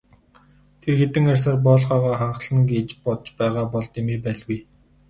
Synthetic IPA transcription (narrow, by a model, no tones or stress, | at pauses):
t̪ʰerxet̪ɘ̆ŋarʲs̬aːrpɔːɮʁaːʁaːχaɴɢɮə̆nɡeːt͡ɕpɔt̪t͡ɕpæːʁaːpɔɮt̪emeːpæːɮɣuj